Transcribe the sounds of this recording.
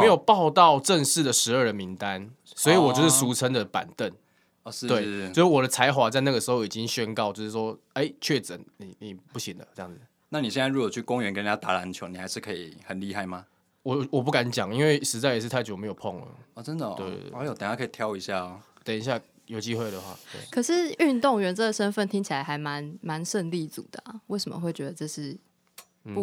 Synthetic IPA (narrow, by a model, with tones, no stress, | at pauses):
me˧˥ɪjo˨˩ʊpɑ˥˧ʊt̪ɑ˥˨ʊʈ͡ʂə˥˧ŋʂɻ̩˥˩d̪ə˩ʂɻ̩˧˦ə˞˥˩də˩mi˧˦ŋt̪a˦nswɔ˧˥i˨wɔ˨t͡ɕo˥˧ʂɻ̩˥˩su˧˥t͡sʰə˥ŋd̪ə˨pa̰˨˩nt̪ə˥˩n | ɔ˧ʂɻ̩˧we˥˩t͡ɕo˥˧ʂ̩˥˩wɔ˨˩d̪ə˦t͡sʰa˧˥ɪxwa˨˥t͡sa˥˧ɪna˥˩ɡə˩ʂɻ̩˧˥xo˥˩i˨˩t͡ɕi˦ŋɕɥɛ˦˥nkɑ˥˨ʊt͡ɕjʊʂɻ̩˥˩ʂwɔ˦˥ | e˥˩ɪt͡ɕʰɥɛ˥˩ʈ͡ʂə˨˩˦nni˨ni˨˩pu˥˩ɕi˨˩ŋd̪ə̰˦ə˥jɑ̰˥˩ŋd͡z̩˨˩ | na˥˨ni˨ɕjɛ˥˧na˥˩ɻu˧˥kɔ˨˩t͡ɕʰy˥˩kʊ˦ŋɥɛ˧˦nkə˥n˨˩a˥˩t̪a̰˧˥la˧˦nt͡ɕʰjo˧˦ni˨˩ha˧˦ɪʂɻ̩˥˧˩kʰə˧˥ḭ˨˩hə˨nli˥˧ɦa˥˩ɪma˨ | wɔ˨wɔ˨˩p̬u˥˩ka˧˦nt͡ɕjɑ˨˩ŋi˦˥nwe˥˩ɪʂɻ̩˧˥t͡sa˥˩ɪjʂɻ̩˥t̪ʰa˥˩ɪjo˨˩me˧˥jpʰɔ˥˨˩ŋə̰˩ɔ˨˩ʈ͡ʂə˦˥nd̪ə˨t̪wḛ˥˩ɪa˧˦jo˨˩t̪jkʰə˦˥i˨˩t̪ʰjɑ˥˧ʊi˧˦ɕja˥˩ɔ˨˩ | t̪ə˨˩ŋi˨˦ɕ̬ja˥˩ | jo˨ʊt͡ɕi˦˥xwe˥˩ɪd̪ə˩˨xwa̰˥˩t̪wḛ˥˩ɪkʰɤ˨˩ʂɻ̩˥˨y˥˧nt̪ʊ˥˨ŋɥɛ˧˥nt͡sə˥˩ə˨˩ʂə˦˥nfə˥˨nt̪ʰi˥ŋt͡ɕʰi˨la˨˦ɪxa˧˥ɪma˧˦nma˧˦nʂə˥˧nli˥˩˦t͡sṵ˨˩d̪ə̰˩a˨˩we˥˩ɪsə˨mə̰˨xwe˥˩ɪt͡ɕɥɛ˧˥d̪ə˧ʈ͡ʂɤ˥˧ʂɻ̩˥˩ | n̩˥u˥